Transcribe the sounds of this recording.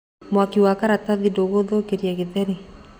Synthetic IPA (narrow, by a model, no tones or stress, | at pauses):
mwakiwakaɾataðidoɣoðokeɾjaɣeðɛni